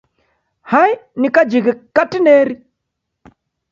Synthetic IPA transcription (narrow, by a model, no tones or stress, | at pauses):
hainikad͡ʒiɣɛkatinɛɾi